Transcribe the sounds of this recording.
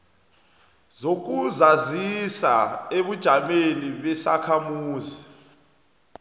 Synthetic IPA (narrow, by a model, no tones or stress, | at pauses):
zok̬uzazisa̰eɓud̥ʒ̥ʱameniɓɛsa̰kʰamuːzi